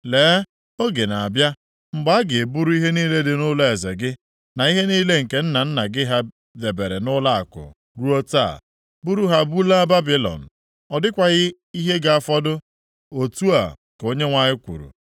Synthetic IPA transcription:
leː˨˦ | o˦ɡe˨na˨a˨bja˦ | ŋ͡m̩˨ɡ͡ba˦a˦ɡɪ˨e˨bu˦ɾu˦i˦ɦe˦niː˦le˦dɪ˨nʊ˦la˦e˨ze˨ɡɪ˦ | na˨i˦ɦe˦niː˦le˦ŋ̩˨ke˨n̩˦na˨n̩˦na˨ɡɪ˦ɦa˦ | ðe˨be˨ɾe˨nʊ˦la˦a̰˨kʊ̰˨ | ɾu˦o˦ta̰˦˨ | bu˦ɾu˦ɦa˦bu˦la˦ba˦bi˦lɔ̰˨n̩˨ | ɔ˨dɪ˦kʷa˨ɣɪ˦ | i˦ɦe˦ɡa˦˨a˨fɔ˦dʊ˦ | o˨tu˦a̰˨ | ko˦ɲe˦ŋʷa˨ɲɪ˦kʷṵ˨ɾṵ˨

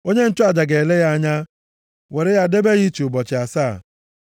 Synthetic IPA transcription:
o˦ɲe˦n̩˦t͡ʃʊ˦a˨d͡ʒa˨ɡe˨le˦ja˦a˦ɲa˦ | we˨ɾɪ˦ja˦de˦be˦ɣi˦t͡ʃu˨ʊ˨bɔ˨t͡ʃɪ˨a˨saː˦˨

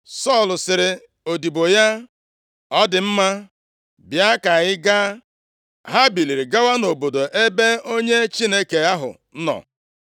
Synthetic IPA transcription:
sɔ˦˨lʊ˨sɪ˨ɾɪ˨ | o˨di˨bo˨ja˦ | ɔ˦dɪ˨m̩˦ma˦ | bja˦ka˨ɣɪ˦ɡa˦ | ɦa˦bi˨li˨ɾi˨ɡa˦wa˦no˨bo˨do˨ʔe˦be˦o˦ɲe˦t͡ʃi˦ne˦ke˨a˦ɦʊ̰˨ | n̩˦nɔ̰˨

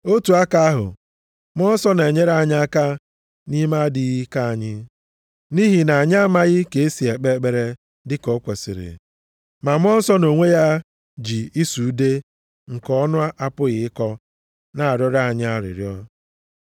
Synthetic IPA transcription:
o˦tu˨a˦ka˦a˦ɦʊ̰˨ | m˦ɔ˦n̩˦sɔ˦ne˨ɲe˦ɾa˦˨ɲ˦a˦ka˦ | ni˦ma˦di˨ɣi˦ka˦a˨ɲɪ˦ | ni˦ɦi˨na˨a˨ɲa˦ma˦ɣɪ˦ke˨e˦si˨e˨k͡pe˦k͡pe˨ɾe˦ | dɪ˦ko˦kʷe˨sḭ˨ɾɪ̰˨ | ma˨m˦ɔ˦n̩˦sɔ˦no˨ŋʷe˦ja˦ | d͡ʒi˨i˦su˨u˦de˦ | ŋ̩˨kɔ˦nʊ˦a˦ʔa˦pʊ˦ɣɪ˨ɪ˦kɔ˦ | na˨a˨ɾɔ˦ɾa˦˨ɲɪ˦a˦ɾɪ̰˨ɾjɔ˦

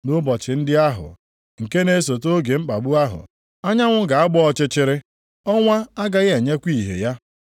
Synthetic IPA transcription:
nʊ˦bɔ˨t͡ʃɪ˨n̩˦dɪ˦a˦ɦʊ̰˨ | ŋ̩˨ke˦ne˦s̬o˨t̬o˦ɡe˨ŋ͡m̩˦k͡pa˨ɡ͡bu˦a˦ɦʊ̰˨ | a˦ɲa˦ŋʷʊ˦ɡa˨a˦ɡ͡bɔ˦ɔ˦˨t͡ʃɪ˦t͡ʃɪ˦ɾɪ˦ | ɔ˦ŋʷa˦a˦ɡa˦ɣe˨ɲe˦kʷi˦˨ɦḛ˨ja˦

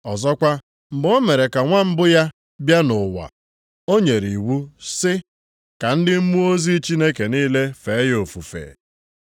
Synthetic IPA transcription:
ɔ˨zɔ˦kʷa˦ | m̩˨bo˦me˨ɾe˨ka˨ŋʷa˦m̩˦bʊ˦ja˦ | bja˦nʊ˨wa̰˨ | o˦ɲe˨ɾi˨wu˦sɪ˦ | ka˨n̩˦dɪ˦m̩˦mu˦o˦zi˦t͡ʃi˦ne˦ke˨niː˦le˦fe˨˦jo˨fu˨fḛ˨

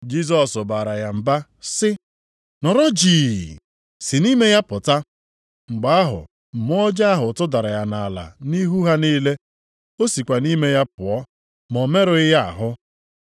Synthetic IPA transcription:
d͡ʒi˦s̬ɔ˨sʊ˨ba˨ɾa˨ja˨m̩˨ba˦sɪ˦ | nɔ˨ɾɔ˦d͡ʒiː˨ | sɪ˨ni˦me˦ja˦pʊ˨ta˦ | ŋ͡m̩˨ɡ͡ba˨˦a˦ɦʊ̰˨ | m̩˨m˦ɔ˦d͡ʒa˦a˦ɦʊ˨tʊ˦da˨ɾa˨ja˨na˨la̰˨ni˦ɦu˦ɦa˦niː˦le˦ | o˦si˨kʷa˨ni˦me˦ja˦pʊ˨ɔ˦ | mɔ˨me˦ɾʊ˨ɪ˦ja˦a̰˨ɦʊ˦

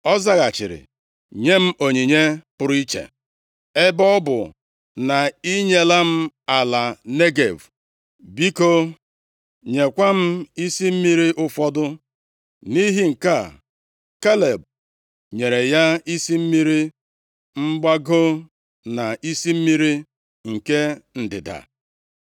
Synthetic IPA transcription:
ɔ˦za˦ɣa˨t͡ʃɪ̰˨ɾɪ̰˨ | ɲe˦m̩˦o˨ɲi˨ɲe˦pʊ˨ɾi˦t͡ʃḛ˨ | e˦bɔ˦bʊ̰˨ | na˨i˦ɲe˦la˦m̩˦a˨la˨ne˦ɡe˨v | bi˦ko˦ | ɲe˨kʷa˦m̩˦i˦si˦m̩˦mi˦ɾi˦ʔʊ˦fɔ˦dʊ˦ | ni˦ɦi˦ŋ̩˨ka˦˨ | ka˦le˨b̚ | ɲe˨ɾe˨ja˦i˦si˦m̩˦mi˦ɾi˦ | m̩˦ɡ͡ba˦ɡo˦ | na˨ʔi˦si˦m̩˦mi˦ɾi˦ | ŋ̩˨ke˦n̩˨dɪ̰˨da̰˨

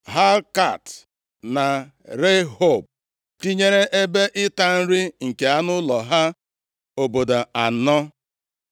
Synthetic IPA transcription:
ɦa˦lka˦˨t | na˨ | ɾe˦ɦo˦˨b̚ | ti˦ɲe˦ɾe˦ʔe˦be˦ʔɪ˦ta˦n̩˦ɾi˦ŋ̩˨ke˨a˦nʊ˦lɔ˨ɦa˦ | o˨bo˨do˨a˨nɔ˦

